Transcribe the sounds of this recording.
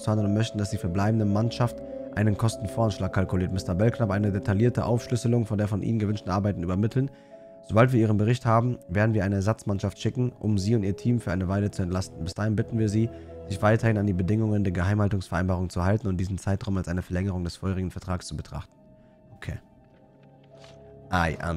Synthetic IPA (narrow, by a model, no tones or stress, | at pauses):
andənʊntmœçtn̩dasd̥iːfɛːɐblaɪbm̩dəmanʃaft | ʔaɪnənkʰɔstn̩foːɐanʃlaːkʰːalkuʊliːɐtmɪstɐbɛlknapʔaɪnədetʰaliːɐtəʔaʊfʃlʏsəl̩ʊŋfɔndeːɐfɔnʔḭːnənɡəvʏnʃtn̩ʔaɐbaɪtn̩yːbɐmɪtʰl̩n | z̥obaltviɐiːʁ̞ənbəʁɪçthaːbm̩veːɐdn̩viːɐaɪnəɛɐzat͡smanʃaftʃɪkŋ̩ʔʊmziːʊntʔiːɐtʰiːmfyːɐa̰ɪnəvaɪlət͡suɛntlastn̩bɪsd̥aːhɪnbɪtn̩viːɐziːz̥ɪçv̥aɪtɐhɪnandiːbədɪŋʊŋəndeːɐɡəɦaɪmhaltʊŋsfɛɐaɪnbaːʁʊŋt͡suɛɦaltn̩ʊnt̚d̥iːzn̩t͡saɪtʁaʊmalsʔaɪnəfɛɐlɛŋəʁ̞ʊŋdɛsfoːʁɪɡŋ̩fɛɐtʁ̥aːkst͡subətʁ̥a̰χtn̩ | okʰeː | ʔaa̰